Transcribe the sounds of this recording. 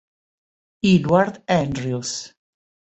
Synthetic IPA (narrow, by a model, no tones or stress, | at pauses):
idwaɾd̪ɛndɾius